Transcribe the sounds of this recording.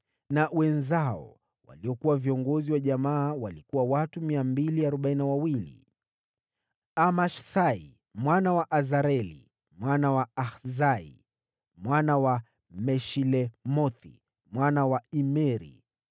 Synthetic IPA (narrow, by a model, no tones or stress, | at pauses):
nawɛnzaɔ̰ | wa̰liɔkuwaviɔŋɡɔziwaʄamaːwalikuwawatumiambiliaɾɔɓainawawilḭ | amaʃsai | mwanawaʔazaɾɛlḭ | mwanawaaxzaḭ | mwanawa | mɛʃilɛmɔθḭ | mwanawaimɛɾḭ